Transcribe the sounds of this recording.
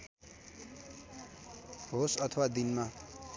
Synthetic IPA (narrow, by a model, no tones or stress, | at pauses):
ɦosʌt̪ʰʌwad̪inma